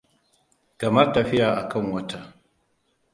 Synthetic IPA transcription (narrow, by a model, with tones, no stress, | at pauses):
kɐ˨mɐ˦rtɐ˨ɸɪ˦jaː˨ʔa˨kɐ˦˨ŋwɐ˦tʰa˨